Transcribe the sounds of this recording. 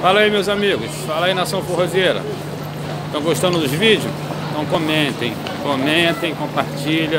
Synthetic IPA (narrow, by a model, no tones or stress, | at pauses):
falɐimewzamiɡʊsfalɐinɐsɐ̃w̃foɦoziejɾɐ̰ | ẽt̪ɐ̃w̃ɡoʃt̪ɐ̃ndʊd̪ʊzvid͡ʒʊsẽt̪ɐ̃w̃kõmẽt̪ẽj̃ | kõmẽt̪ẽj̃kõpaɾt͡ʃiʎɐ̃